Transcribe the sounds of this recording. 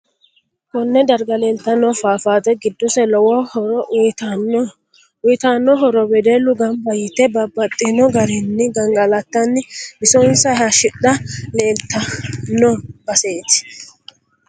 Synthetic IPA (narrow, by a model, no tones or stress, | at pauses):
kɔnːɛd̪ɐɾɡɐlɛlt̪ːɐnːɔfaːfaːt̪ɛɡɪd̪ːɔsɛlɔwɔhɔɾɔt̪ | ʊt̪aːnːɔɦɔɾɔbɛd̪ɛlʊɡɐmbɐjɪt̪ːɛbɐbːɐt̪ʼːɪnɔɡɐɾɛnːɪɡɐŋɡɐlɐt̪ːɐnːɪbɪsɔnsɐhɐʃɪɗɐleːlt̪ːɐnːɔb̥ɐseːt̪ɪ̥